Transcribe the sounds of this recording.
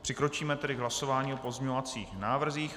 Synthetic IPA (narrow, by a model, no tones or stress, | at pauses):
pr̥ɪkɾo̞t͡ʃiːmɛt̪ɛdɪɡɦlaso̞vaːɲiːopo̞zmɲovat͡sḭːxnaːvr̩ziːx